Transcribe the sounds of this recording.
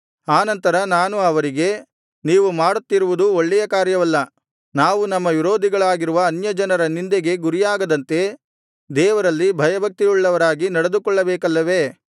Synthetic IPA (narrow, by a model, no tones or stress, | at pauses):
aːnɐnt̪ɐɾɐnaːnuɐʋɐɾiɡe̞ | niːʋumaːɽut̪ːiɾuʋud̪uoɭːɛjɐkaːɾjɐʋɐlːɐ | naːʋunɐmːɐʋiɾoːd̪ʱiɡɐɭaːɡiɾuʋɐːnjɐd͡ʒɐnɐɾɐnind̪eɡe̞ɡuɾijaːɡɐd̪ɐnt̪e̞ | d̪ɛːʋɐɾɐlːibʱɐjɐbʱɐk̚t̪iuɭːɐʋɐɾaːɡinɐɽed̪ukɔɭːɐbɛːkɐlːɐʋe